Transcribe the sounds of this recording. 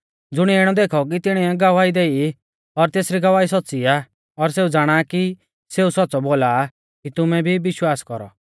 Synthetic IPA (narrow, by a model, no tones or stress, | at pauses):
d͡zʊɽ̃iɛɪɽ̃ɔd̪eːkʰɔk̬it̪ɪɽ̃iɛɡaʋaːid̪eːi | ɔɾt̪eːsɾiɡaʋaːisɔtːsia | ɔɾseːud͡zaːɽ̃aki | seːusɔtːsɔboːla | kit̪ʊmɛbʱibɪʃwaːskɔɾɔ̰